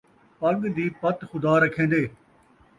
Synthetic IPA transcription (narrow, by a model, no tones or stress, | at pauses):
pɐɡd̪iːpɐt̪xʊd̪aːɾɐkʰẽːn̆d̪eː